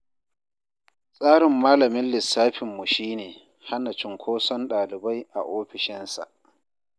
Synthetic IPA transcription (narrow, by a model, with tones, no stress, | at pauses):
sʼaː˦ɽɪ˨mːaː˦lɐ˨mɪ˦nlɪ˨sːaː˦ɸɪ˨mːʊ˨ʃiː˦neː˨ | ha˦na˨t͡ʃɪ˨ŋkʷʰoː˦sɔ˦nɗaː˨lɪ˨ba˦jʔa̰˨ʔoː˦ɸɪ˨ʃɪ˦nsa̰˨ʔ